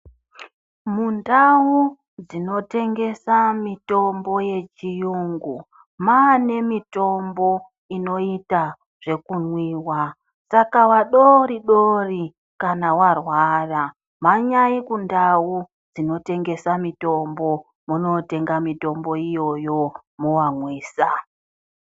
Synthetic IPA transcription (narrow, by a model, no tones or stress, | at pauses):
mundawu | d͡zino̞te̞ŋɡe̞samito̞mbo̞je̞t͡ʃijuŋɡu | maːne̞mito̞mbo̞ | ino̞ita | ʐ̥e̞kunwiːwa | sakawaɗoɾiɗori | kanawarwaːra | maɲaikundawu | d͡zino̞te̞ŋɡe̞samito̞mbo̞ | muno̞te̞ŋɡamito̞mbo̞ijo̞jo̞muwamwiːsa